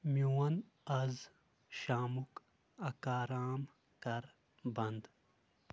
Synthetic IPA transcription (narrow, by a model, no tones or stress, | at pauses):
mjuwɐn | ɐz | ʃaːmuk | ɐkaːɾaːm | kɐɾ | bɐnd̪